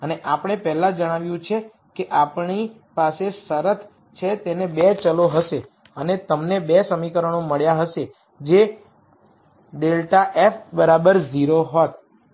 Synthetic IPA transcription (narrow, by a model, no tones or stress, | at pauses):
əneʔapəɳ̃epɛɦlãd͡ʒəɽ̃aʋjũt͡ʃʰe | keʔapɳi | pasesəɾət̪ʰ | t͡ʃʰet̪enebet͡ʃəloɦəʃe | ənet̪əmnebesəmikəɾəɳ̃oməɭjaɦəʃe | d͡ʒe | ɖelʈaʔefbəɾabəɾziɾoɦot̪̚